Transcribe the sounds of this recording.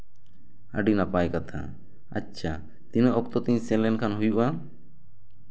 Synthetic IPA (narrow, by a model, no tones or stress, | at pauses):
ə̰ɖinapajkat̪ʰa̰ | a̰tːt͡ʃʰa | t̪inəʔɔk̚t̪ɔt̪iɲsɛlɛnkʰanɦujuʔa